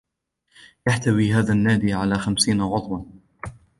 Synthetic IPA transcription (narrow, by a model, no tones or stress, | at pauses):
jaħt̪awiːɦaːðaːnːaːd̪iːʕalaːxamsiːnaɣʊðˤwɑn